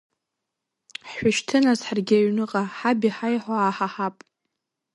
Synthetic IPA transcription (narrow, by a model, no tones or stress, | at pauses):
ħʷaʃtʰɨnazħarɡʲaɥnɨqʼaħabiħajħaaħaħapʼ